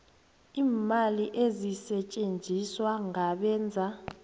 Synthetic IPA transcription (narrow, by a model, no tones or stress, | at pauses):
iːmaliʔezisɛt͡ʃʼend͡zʱiswaŋaɓɛːnd͡zʱa